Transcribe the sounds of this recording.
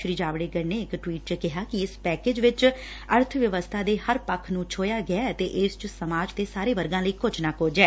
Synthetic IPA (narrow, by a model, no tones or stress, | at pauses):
ʃɾiːd͡ʒaːʋɽeːɡəɾneːɪkʈʋiːʈt͡ʃkɪɦaːkɪɪspɛːkeːd͡ʒʋɪt͡ʃ | əɾt̪ʰʋjəʋəst̪ʰaːd̪eːhəɾpəkʰnũːt͡ʃʰoːjaːɡɪaːt̪eːʔɪst͡ʃsəmaːd͡ʒt̪eːsaːɾeːʋəɾɡãːləiːkʊd͡ʒnaːkoːd͡ʒɛː